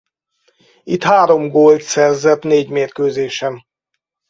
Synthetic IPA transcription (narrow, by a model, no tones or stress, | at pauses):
it̪haːɾo̞mɡoːlt̪sɛrzɛt̪neːɟmeːrkøːzeːʃɛn